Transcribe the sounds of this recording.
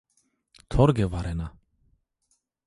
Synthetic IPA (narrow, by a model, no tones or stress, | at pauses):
t̪ʰɔɾɡɛvaɾɛna